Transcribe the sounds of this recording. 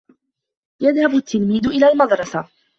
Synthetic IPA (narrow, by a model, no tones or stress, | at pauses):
jaðhabʊt̪ʰːɪlmiːd̪ʊʔɪlaːlmɑd̪ɾˤɑsa